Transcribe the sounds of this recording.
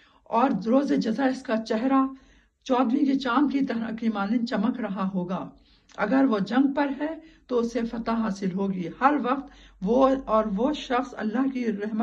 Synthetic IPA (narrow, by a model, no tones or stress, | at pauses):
ɔːɾɾoːzed͡ʒɐzaɪskat͡ʃɛɦɾa | t͡ʃɔːd̪ʋĩket͡ʃaːmkit̪ɐkiːmaːnẽt͡ʃɐməkɾɐɦaɦoːɡaː | ɐ̰ɡəɾʋod͡ʒɐ̃ŋɡ̚pɐɾɦɛt̪oʊsefɐt̪aɦaːsɪlɦoːɡiːhɐɾʋɐqt̪ʋoɔːɾʋoʃɐxsɐ̰lːaɦkiɾɛɦmə